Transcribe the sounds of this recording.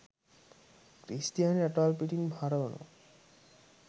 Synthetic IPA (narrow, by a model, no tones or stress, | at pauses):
kɾist̪ijanɐʈalpiʈiŋbhaɾɐnṵ